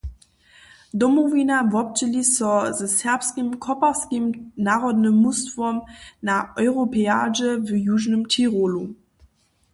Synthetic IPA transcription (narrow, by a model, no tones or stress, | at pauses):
domovinavɔp̚t͡ɕəlisɔzəsɛɐpskimkʰɔpɐskimnaːʁɔdnəmustvɔmnaʔɔʏʁopʰea̰ːd͡ʒəvəjuːʒnəmtʰiʁoːlu